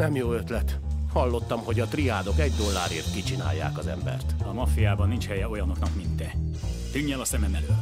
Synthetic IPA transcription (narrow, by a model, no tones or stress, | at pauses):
nɛmjoːø̞t̪lɛt̪hɒlːo̞t̪ːɒmho̞ɟɒt̪riaːd̪o̞kɛɟd̪o̞lːaːɾeːrt̪kit͡ʃina̰ːjːa̰ːkɒzɛ̰mbɛ̰rt̪ɒmɒfijaːbɒnːint͡ʃhɛjɛo̞jɒno̞knɒkmint̪ːɛt̪yɲːɛlɒsɛmɛmɛløː